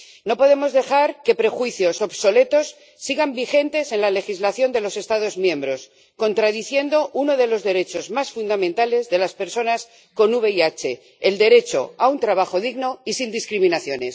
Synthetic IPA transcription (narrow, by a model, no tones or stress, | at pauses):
no̞po̞ð̞e̞mo̞zðe̞xaɾke̞pɾe̞xwiθjo̞soβso̞le̞t̪o̞sː | iɣambixe̞nt̪e̞se̞nlale̞xizlaθjo̞nd̪e̞lo̞se̞st̪aðo̞zmjẽ̞mbɾo̞s | ko̞nt̪ɾaðiθje̞nd̪o̞ʔuno̞ðe̞lo̞zðe̞ɾe̞t͡ʃo̞zmasfund̪amẽnt̪ale̞zðe̞laspe̞ɾso̞nas | ko̞nuβe̞iat͡ʃe̞ː | ld̪e̞ɾe̞t͡ʃo̞̰aunt̪ɾaβaxo̞ðiɣno̞isind̪iskɾimĩnaθjo̞ne̞s